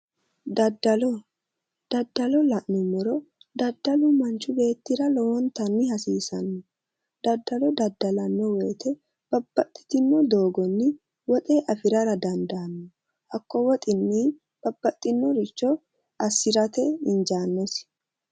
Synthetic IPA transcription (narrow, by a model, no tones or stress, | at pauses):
d̪ɐd̪ːɐlɔ | d̪̥ɐd̪ːɐlɔlɐʔnɔmɔɾɔd̪ɐd̪ːɐlʊmɐnt͡ʃːʊbe̞ːt̪ːɪɾɐlɔwɔnt̪ɐnːɪhɐsiːsɐnːɔ | d̪ɐd̪ːɐlɔd̪ɐd̪ːɐlɐnːɔwɛːt̪ɛ | b̥ɐb̥ːɐt̪ʼːɪ̥t̪ɪnːɔd̪o̞ːɡɔnːɪ | wɔt̪ʼeːʔɐfɪɾɐɾɐd̪ɐnd̪aːnːɔ | hɐkːɔwɔt̪ʼɪnːi | b̥ɐbːɐt̪ʼːɪnːɔɾɪt͡ʃːɔ | ɐsːɪɾɐt̪ɛɪnd͡ʒaːnːɔs